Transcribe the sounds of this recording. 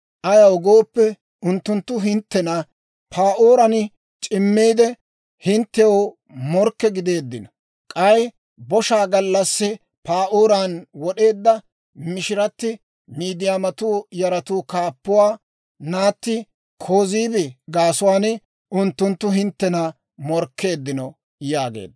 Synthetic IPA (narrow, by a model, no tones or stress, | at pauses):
ʔɐjɐwɔɡo̞ːpːɛ | ʊnt̪ːʊnt̪ːʊɦɪnt̪ːɛnɐ | pʰaːʔoːɾɐn | t͡ʃʼɪmːiːd̪ɛ | hɪnt̪ːɛo | mɔɾkːɛɡɪd̪e̞ːd̪ːɪnɐ | kʼɐj | bɔʃaːɡɐlːɐsːɪ | paːʔoːɾanwɔɗe̞ːd̪ːɐ | mɪʃɪɾɐt̪ːɪ | miːd̪ɪjaːmɐt̪uːjɐɾɐt̪uːkaːpːʊwaː | naːt̪ːɪ | kʰo̞ːziːbɛɡaːsʊwaːnɪ | ʔʊnt̪ːʊnt̪ːʊɦɪnt̪ːɛnɐ | mɔɾkːe̞ːd̪ːɪnɔ | jaːɡḛːd̪